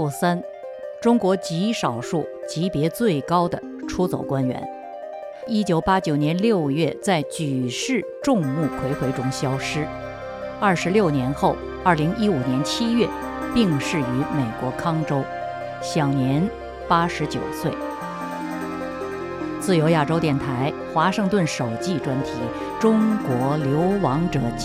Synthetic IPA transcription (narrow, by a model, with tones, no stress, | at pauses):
u˥˩sa˥n | ʈ͡ʂʊ˥ŋkwɔ˧˥t͡ɕi˧˥ʂɑ˨˩ʊʂu˥˩t͡ɕi˧˥pjɛ˧˥t͡swe˥˩ɪkɑ˥ʊd̪ə̰˨ | ʈ͡ʂʰu˥t͡so̰˨˩ʊkwa˥nɥɛ̰˧˥n | i˥t͡ɕjo˧˩ʊpa˥t͡ɕjo˨˩ʊnjɛ˧˥nljo˥˧ʊɥɛ˥˧t͡sa˥˩ɪt͡ɕy˨˩ʂɻ̩˥˧ʈ͡ʂʊ˥˧ŋmu˥˩kʰwe˧˥ɪxwe˧˥ɪʈ͡ʂʊ˥ŋɕjɑ˥ʊʂɻ̩˥ | ɐ˞˥˩ʂɻ̩˧˥ljo˥˩ʊnjɛ˧˥nxo˥˩ʊ | ɐ˞˥˩li˧˥ŋʔi˥u˨˩njɛ˧˥nt͡ɕʰi˥jɥɛ˥˩ | pi˥˧ŋʂɻ̩˥˩y˧˥me˨˩ɪkwɔ˧˥kʰɑ˥ŋʈ͡ʂo˥ʊ | ɕjɑ˨˩ŋnjɛ˧˥n | pa˥ʂɻ̩˧˥t͡ɕjo˨˩ʊswe˥˩ɪ | t͡sɹ̩˥˩jo˧˥ʊja˥˩ʈ͡ʂo˥ʊt̪jɛ˥˩nt̪ʰa˧˥ɪxwa˧˥ʂɤ˥˧ŋt̪wə˥˩nʂo˨˩ʊt͡ɕi˥˧ʈ͡ʂwa˥nt̪ʰḭ˨˩˥ | ʈ͡ʂʊ˥ŋkwɔ˧˥ljo˧˥ʊwɑ˧˥ŋʈ͡ʂɤ˨˩t͡ɕ